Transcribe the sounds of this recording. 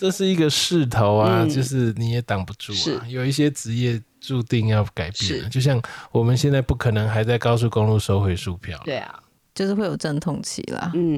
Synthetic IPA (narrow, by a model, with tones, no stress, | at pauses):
ʈ͡ʂə˥˧ʂɻ̩˥˩i˧˥ɡə˨ʂɻ̩˥˩t̪ʰo˧˦ʊa˧t͡ɕjo˥˧ʊʂɻ̩˥˩ni˨˩jɛ˨˩˦t̪ɑ˨˩ŋpu˨˦ʈ͡ʂu˥˩a˨˩jo˨˩ʊi˥˩ɕ̬jɛ˥ʈ͡ʂɻ̩˧˥jɛ˥˧ | ʈ͡ʂu˥˧t̪i˥˧ŋjɑ˥˩ʊka˨˩ɪpjɛ˥˩˨lə̰˨˩t͡ɕjo˥˧ʊɕ̬jɑ˥˩ŋwɔ˨˩mə˨nɕjɛ˥˧nt͡sa˥˧ɪpu˥˩kʰɤ˨˩nɤ˧˦ŋxa˧˥ɪt͡sa˥ɪkɑ˥ʊs̬u˥˩ko˥˦ŋlu˥˨ʂo˥ʊxwe˧˥ɪʂu˥˧pʰjɑ̰˥˩ʊl | t͡ɕjo˥˧ʊʂɻ̩˥xwe˥˩ɪjo˨˩ʊʈ͡ʂə˥˧nt̪ʰʊ˥˧ŋt͡ɕʰḭ˨˧˦lɐ̰˨